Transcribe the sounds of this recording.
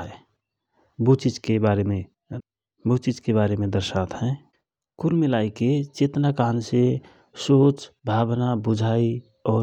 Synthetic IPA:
but͡ʃid͡ʒkebaɾeme | bot͡ʃid͡ʒkebaɾemẽd̪əɾʃat̪ɦɛ̃ | kuɾmilaiket͡ʃet̪nakanse | soːt͡ʃbʱaːbnabud͡ʒʱai | ɔː

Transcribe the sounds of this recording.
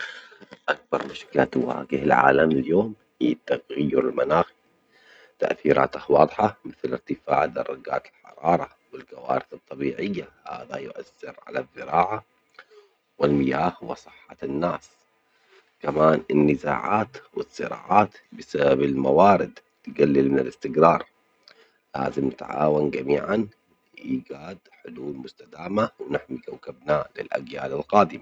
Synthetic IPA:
ʔak̚bɑɾˤmʊʃkɪla̰t̪wa̰ːɡɪhɪlʕa̰ːlamɪljoːm | hijːt̪ːaɣajːʊɾɪlmanaːxi | t̪a̰ʔθiːɾʔa̰ːt̪ahwɑːd̪ˤħɑmɪθlɪɾt̪ɪfa̰ːʕd̪ɑrˤːɑɡa̰ːt̪ɪlħɑ̰ɾˤɑːɾˤɑ | wɪlkawa̰ːɾɪθɨt̪ˤːɑbiːʕɪjːaha̰ːðajʊʔa̰θːɪɾʕa̰laðˤːɨɾɑːʕa | wɪlmɪjaːhhʊwa̰sˤɨħːɑnːaːs | kamaːnɪnːɪza̰ːʕaːt̪wɪsˤːɨ̰ɾɑ̰ːʕaːt̪bɪsababɪlmawaːɾɪd̪ | t̪ɡalːɪlmɪnɪlɪst̪ɪɡɾɑːɾˤ | la̰ːzɪmnɪt̪ʕa̰ːwanɡamiːʕan | ʔiːɡaːd̪ħʊd̪uːlmʊst̪ad̪aːmawnaħmikawkabnalɪ̰lʔa̰ɡjaːlɪlqɑːd̪ɪma

